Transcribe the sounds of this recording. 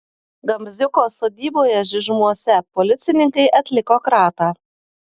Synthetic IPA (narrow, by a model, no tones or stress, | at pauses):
ɡɐmʲzʲʊkoːsoːd̪ʲiːboːjɛʒʲɪʒmuɔsʲɛpɔlʲɪt̪sʲɪnʲɪŋkɐɪʔɐt̪ʲlʲɪkokɾɑːt̪ɑː